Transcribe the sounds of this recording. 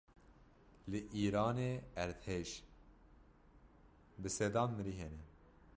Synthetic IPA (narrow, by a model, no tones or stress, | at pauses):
lɨʔiːɾɑːneːɛɾd̪heːʒ | bɨsɛd̪ɑːnmɨɾiːɦeːnɛ